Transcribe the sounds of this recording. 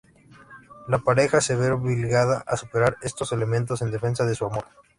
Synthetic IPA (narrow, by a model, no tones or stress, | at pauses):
lapaɾe̞xase̞βeβilɣaðaʔasupe̞ɾaɾe̞st̪o̞se̞le̞mẽ̞nt̪o̞se̞nd̪e̞fe̞nsaðe̞suamo̞ɾ